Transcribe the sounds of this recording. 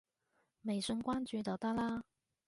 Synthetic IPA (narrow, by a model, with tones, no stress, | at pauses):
me˨˩jsɵ˧nkʷaː˥nt͡ʃyː˨˧t̪ɔ˨˩wt̪a˥laː˥